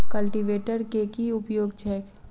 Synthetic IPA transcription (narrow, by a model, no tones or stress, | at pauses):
kɐlʈiʋeːʈəɾkekiʊpjoːɡt͡ʃɛːk